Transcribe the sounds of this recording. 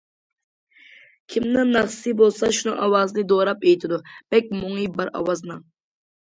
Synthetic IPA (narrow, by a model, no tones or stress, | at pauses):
kʲʰimnɨnnɑχssɨbolˠsɑʃunɨŋʔɑwɑznɨd̪oɾɑpejt̪ʰɪd̪ub̥ɛk̚ʲmoŋibɨɾɑ̰wɑznɨŋ